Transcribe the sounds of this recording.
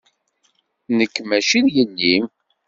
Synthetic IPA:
nəkːmæʃinjənːim

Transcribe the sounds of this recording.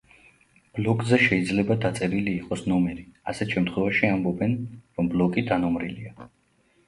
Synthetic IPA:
b̥lɔkʼzɛʃɛid̪zlɛbad̪at̪sʼɛɾiliːqʼɔsnɔmɛɾiasɛt̪ʰʃɛmt̪ʰχwɛvaʃiambɔbɛnɾɔmblɔkʼid̪anɔmɾilia

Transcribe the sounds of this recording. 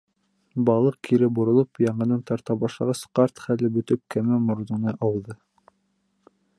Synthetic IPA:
bɑlˠɤq̚kʰiɾɘbŏɾŏlˠɤpjɑɴɤ̆nɑnt̪ɑɾt̪ɑbɑʃlˠɑʁɑsqɑɾt̪χælɘbɵ̆t̪ɘp̚kæmæmŏɾðunɤʔɑwðɤ

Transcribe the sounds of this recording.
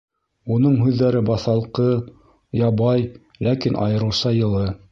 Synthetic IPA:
unɤɴɦʉðːæɾɘbɑθɑlˠqɤ | jɑβɑj | lækinʔɑ̰jɤ̆ɾɤ̆wsɑjɤ̆lˠɤ

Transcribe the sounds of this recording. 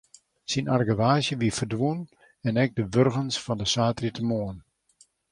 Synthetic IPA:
sinarɡəʋaːzjəʋifərdʋun | ɛnɛɡ̚dəʋørɣənsfɔndəsaːtritəmoən

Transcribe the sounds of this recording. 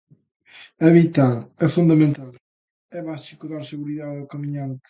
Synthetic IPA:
ɐβit̪alɛfũnd̪ɐmẽnt̪al | ɛβaʃikuðaɾseɣuɾiðaðokɐmiɲãnt̪ɪ̥

